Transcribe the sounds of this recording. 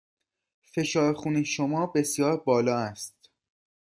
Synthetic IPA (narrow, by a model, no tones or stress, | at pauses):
fe̞ʃɒːɾxuːniʃomɒːbe̞sjɒːɾbɒːlɒːæst̪